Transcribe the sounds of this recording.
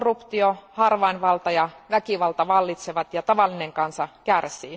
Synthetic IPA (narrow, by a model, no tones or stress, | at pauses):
rːupt̪iohɑrʋɑinʋɑlt̪ɑjɑʋækiʋɑlt̪ɑʋɑlːit̪seʋɑt̪jɑt̪ɑʋɑlːineŋkɑnsɑkærsḭː